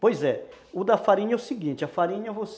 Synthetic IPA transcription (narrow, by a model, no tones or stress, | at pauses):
pojzɛʊd̪ɐfaɾĩɲɛʊsiɡĩnt͡ʃɪɐfaɾĩɲɐvos